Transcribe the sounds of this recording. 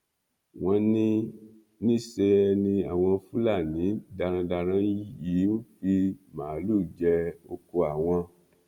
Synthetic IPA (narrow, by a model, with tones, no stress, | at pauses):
w̃ɔ̃˧nĩ˦ | nĩ˦˨se˧ɛ˧nĩ˧a˨w̃ɔ̃˧fu˦la˦˨nĩ˨˦da˧ɾ̃ã˧da˧ɾ̃ã˧˦ji˨˦u˦fi˦mãː˨˦lu˦˨d͡ʒɛ˧o˧ko˧a˨w̃ɔ̃˧